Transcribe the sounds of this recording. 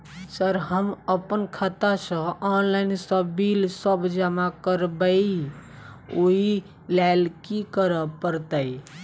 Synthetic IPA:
səɾɦəməpənkʰət̪asə̃ɔnlaɪnsəbilsəbd͡ʒamakəɾbə | oi | lalkikəɾəpəɾt̪əi

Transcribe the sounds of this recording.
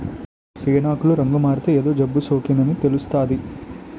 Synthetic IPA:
seːnaːkuluɾɐŋɡumaːɾt̪eeːd̪o̞ːd͡ʒɐbːusoːkind̪ɐnit̪elust̪aːd̪i

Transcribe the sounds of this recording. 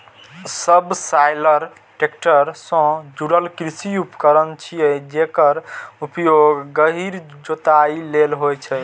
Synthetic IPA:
səbsajləɾ | ʈek̚ʈəɾsə̃d͡ʒuɽəlkɾisiupkəɾənt͡ʃʰijɛd͡ʒekəɾupjoɡːəɦiɾd͡ʒot̪ailelɦojt͡ʃʰɛ

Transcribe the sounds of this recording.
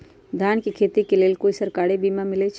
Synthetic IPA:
d̪ʱjaːnkekʰeːt̪ikeleːlkoːisəɾkaːɾebimamɪlet͡ʃʰ

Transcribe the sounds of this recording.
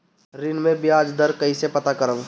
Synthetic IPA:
ɾɪnmẽbiaːd͡ʒd̪əɾkɐɦisepɐt̪akəɾəʋ

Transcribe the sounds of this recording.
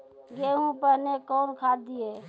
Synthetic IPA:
ɡeɦũpəɾnekɔːnkʰad̪ie

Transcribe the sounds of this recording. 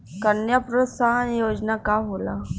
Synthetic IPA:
kənjapɾəsaɦnjod͡znakaɦola̰

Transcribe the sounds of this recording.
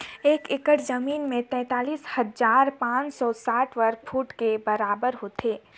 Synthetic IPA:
eːkɪkəʈzəmiːnmẽt̪ɛ̃ːt̪aːliːshɐzaːɾpãːt͡ʃsɔsaːʈʰʋəɾkfʰuːʈkebɐɾaːbəɾɦoːt̪ʰeː

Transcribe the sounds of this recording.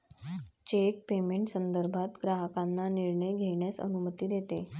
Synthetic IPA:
t͡ɕek̚pemeɳʈsənd̪əɾbʱat̪ɡɾaɦəkanːaniɾɳəjɡʱeɳjasə̰numət̪iːd̪jet̪e

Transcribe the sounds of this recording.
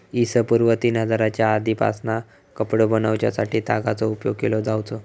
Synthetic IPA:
isəpuɾʋət̪iːnɦəd͡zaɾat͡ɕjaːd̪ipa̰sna | kəpɽəbənaʋt͡ɕja̰saʈiːt̪a̰ɡat͡sɔupjoɡ̚kelɔd͡zawt͡sɔ

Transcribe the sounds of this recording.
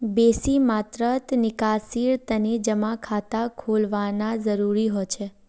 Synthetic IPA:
besimat̪ɾət̪nɪkasiɾt̪əned͡ʒəmakʰat̪akʰolʋanad͡ʒəɾuɾiɦojt͡ʃʰe

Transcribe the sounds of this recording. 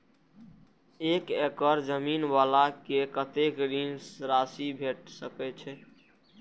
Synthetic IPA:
ekekəɾd͡ʒəminwalakekət̪ekɾinsɾasibʱeʈsəkɛt͡ʃʰɛ

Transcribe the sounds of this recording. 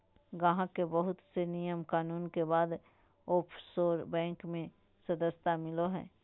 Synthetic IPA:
ɡɐɦãkebəɦʊt̪senijəmkaːnuːnkebaːd̪ | oːpʰsoːɾbɛ̃ːŋkmẽ | sɐd̪əst̪amɪloɦɛ̰̃ː

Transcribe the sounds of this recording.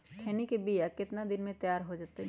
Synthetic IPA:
kʰɛːnikebijakɪt̪nad̪ɪnmẽt̪jaːɾɦod͡ʒaːt̪eɦ

